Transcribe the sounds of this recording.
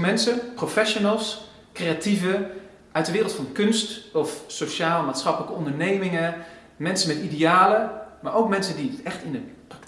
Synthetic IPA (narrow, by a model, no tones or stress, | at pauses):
mɛnsəprofɛʃonəlˠs | krejativə | ʔœɥtdəʋɪːrəlˠtfɑnkɵnstɔfsoʃaːləmaːtsχɑpələkəɔndəɹnejmɪŋə | mɛnsənmɛtidejaːləmaːɹowkmɛnsəndiətɛxtɪndəprɑk̚